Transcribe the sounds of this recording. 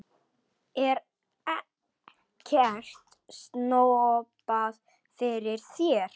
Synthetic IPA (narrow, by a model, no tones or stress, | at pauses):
ɛɾ | ɛ | cʰɛr̥t̪ | snoːwɔpað | fɪɾɪɾ̥sjɛɾ̥